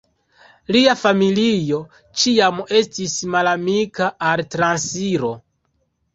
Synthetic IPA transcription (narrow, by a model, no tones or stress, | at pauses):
liafamilijo̞ | t͡ʃiame̞stismalamikaʔaltɾansiɾo̞